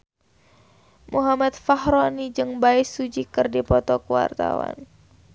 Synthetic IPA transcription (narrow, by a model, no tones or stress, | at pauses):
muɦamat̪̚fahɾɔnid͡ʒɨŋbaɪsud͡ʒikɨrdipɔt̪ɔkuwa̰rt̪a̰wa̰n